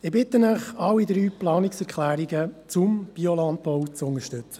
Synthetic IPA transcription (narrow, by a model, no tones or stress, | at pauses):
ɪbɪt̪ənəχɑwid̪ɾyːplɑːniksɛɾkʰlæːɾiɡət͡sʊmb̥iɔlɑnt̪̚pɔwt͡sʊnəʃtɵt͡sə̥